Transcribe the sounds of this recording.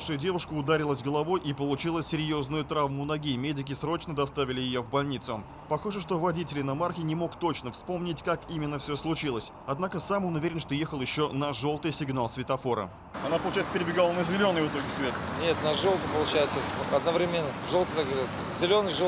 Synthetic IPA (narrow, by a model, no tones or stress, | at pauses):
fʂʊjʊdʲe̞vʊʂkʊːd̪aɾʲɪlˠəzʲɡəlˠɐvo̞jʔipəlˠʊt͡ɕilˠəsʲɪɾʲjo̞znʊjʊt̪ɾavmʊnɐɡʲimʲedʲɪk̬ʲɪsɾo̞t͡ɕnəd̪ɐst̪avʲɪlʲɪjɪjovbɐlʲnʲit̪sʊ | pɐxoʐəʂt̪o̞vɐdʲitʲɪlʲɪnɐmarxʲɪnʲɪmo̞kt̪o̞t͡ɕnəfspo̞mnʲɪtʲkakimʲɪnːəfsʲoslˠʊt͡ɕilˠəsʲ | ɐd̪nakəsamonʊvʲeɾʲɪnʂt̪o̞jexəlˠjɪɕːo̞nɐʐo̞lˠt̪ɨjsʲɪɡnalˠsvʲɪt̪ɐfo̞ɾə̰ | ɐnapəlʊt͡ɕɛjt̪səpʲɪɾʲɪbʲɪɡalˠənəzʲɪlʲo̞nɨjvɨt̪o̞ɡʲɪsvʲet̪ənʲe̞t̪nɐʐolˠt̪ɨpəlˠʊt͡ɕajt̪səɐd̪nəvɾʲɪmʲenːəʐolˠt̪əzɐɡɾɨlˠsʲ | zʲɪlʲonɨjʐo